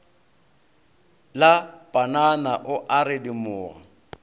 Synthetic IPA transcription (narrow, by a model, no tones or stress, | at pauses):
lapʼananaʔʊʔaɾɪdimʊːɣa